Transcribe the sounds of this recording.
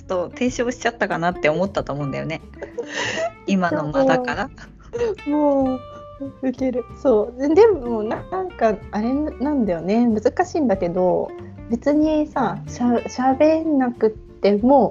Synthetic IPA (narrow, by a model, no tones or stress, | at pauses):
t̪ːot̪ẽ̞ɰ̃ɕo̞ːɕi̥t͡ɕat̪ːakanat̪ːe̞omo̞t̪ːat̪o̞ːmo̞ɯ̃nd̪a̰jo̞̰ne̞ | imaomad̪akaɾa | moː | ɯ̟ke̞ɾɯ̟so̞ːd̪e̞monanãŋkaaɾe̞nnãnd̪ajone̞mɯ̟zɨkaɕĩːnd̪ake̞d̪o̞be̞t͡sɨɲ̟isaɕaɕabe̞nːakɯ̟t̪ːe̞mo̞